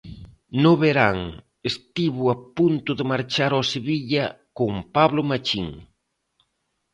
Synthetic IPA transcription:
noβeɾaŋ | est̪iβʊapunt̪ʊðemaɾt͡ʃaɾoseβiʎa | koŋpaβlʊmat͡ʃiŋ

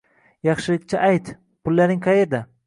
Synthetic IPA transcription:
jɑχʃɪlɪkʲt͡ʃʰaʔajt̪ | pʊlːaɾnɪŋqʰɑjeɾd̪a

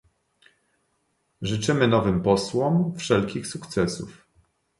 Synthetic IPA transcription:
ʐɘt͡ʂɘmɘnɔvɘmpɔswɔmfʂɛlkʲixsukt̪sɛsṵf

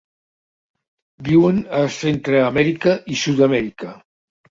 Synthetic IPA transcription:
biwənəsent̪ɾəːmɛɾikəʔisut̪amɛɾikə

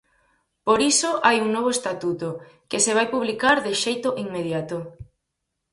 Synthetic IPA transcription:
poɾisoʔajuŋnɔβ̞oest̪at̪ut̪okɪseβajpuβ̞likaɾðɪʃejt̪oʔiŋmeð̞jat̪o

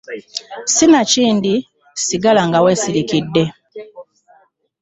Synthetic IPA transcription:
sinaciːndi | siɡalaŋɡawe̞ːsiɾikidːe̞

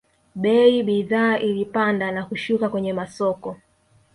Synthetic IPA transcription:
ɓɛiɓiðaːʔilipandanakuʃukakwɛɲɛmasɔkɔ

